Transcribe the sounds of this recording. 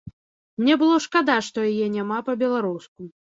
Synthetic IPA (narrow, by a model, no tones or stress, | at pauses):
nʲɛbɨlˠɔʂkad̪aʂt̪ɔjajɛnʲamapɐbʲɛlˠaɾusku